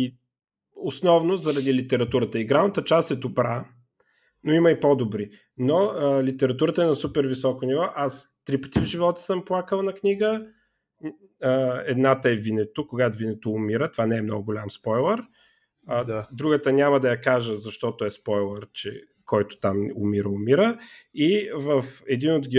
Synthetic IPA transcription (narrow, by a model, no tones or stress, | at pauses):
i | osnɔvnozɐɾɐd̪ilit̪ɛɾɐt̪uɾət̪əiɡɾavnət̪ət͡ʃast̪ɛt̪ʊpɾa | noimɐipɔd̪obɾi | noəlit̪ɛɾɐt̪uɾət̪əɛnɐsupɛɾvisɔkonivɔʔast̪ɾipɐ̥t̪ivʒivɔt̪ə̥səmplˠakəlˠnɐkniɡə | əɛd̪nat̪əɛvinɛt̪ʊkoɡat̪vinɛt̪oːmiɾət̪ovanɛːmnɔ̰ɡʊɡolʲamspɔjlˠəɾ | d̪ɾuɡət̪ənʲaməd̪ɐjɐkaʒəzɐʃt̪ɔt̪ʊɛspɔjlˠəɾt͡ʃɛ̰ | kɔjt̪ʊ̥t̪amʊ̰miɾəʊmiɾəivəfɛd̪inod̪ɡʲi